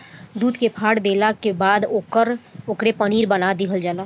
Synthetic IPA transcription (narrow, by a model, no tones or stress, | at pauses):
d̪uːd̪kepʰaːɽd̪eːlakebaːd̪okəɾokɾepəniːɾbənad̪ɪɦəld͡ʒaːla